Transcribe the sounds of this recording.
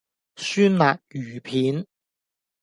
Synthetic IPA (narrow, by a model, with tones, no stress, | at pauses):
syː˥nlaː˨k̚jyː˨˩pʰiː˨˥n